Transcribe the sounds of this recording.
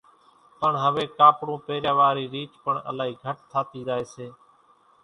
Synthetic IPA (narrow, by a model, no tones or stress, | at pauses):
pəɳɦəʋeːkaːpɽũːpeːɾjaːʋaːɾiːɾiːt͡ʃpəɳə̰laːɦiːɡʱəʈ̚t̪ʰaːt̪iːɾəːɦeːseː